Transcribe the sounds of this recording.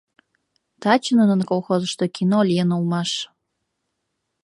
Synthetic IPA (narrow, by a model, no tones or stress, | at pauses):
t̪ɑt͡ɕənənə̆nkolˠxozə̆ʃt̪okʰinolʲjenulˠmɑʃ